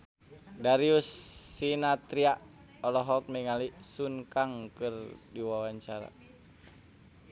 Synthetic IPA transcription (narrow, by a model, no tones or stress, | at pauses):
daɾiusːinat̪ɾiaʔ | ɔlɔɦɔk̚mɛŋalisunkaŋkɨrdiwawaɲt͡ʃaɾa̰